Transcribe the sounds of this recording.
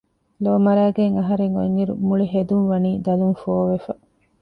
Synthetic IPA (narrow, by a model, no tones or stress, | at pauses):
loːmɐɾæːɡeŋɐɦɐɾeŋo̰ŋiɾṵmuɭiɦed̪unʋɐniːd̪ɐluŋfooʋefɐ